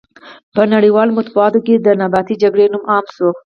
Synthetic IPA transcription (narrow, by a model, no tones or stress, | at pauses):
pənaɽiwɑlomʊt̪buɑt̪oked̪ənabɑt̪id͡ʒaɡɽenumɑmʃo